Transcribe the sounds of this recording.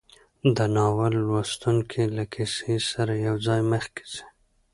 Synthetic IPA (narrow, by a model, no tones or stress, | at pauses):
d̪ənɑwalwast̪uŋkʰelakʰisesaɾajawd͡zɑjməxki̥zi̥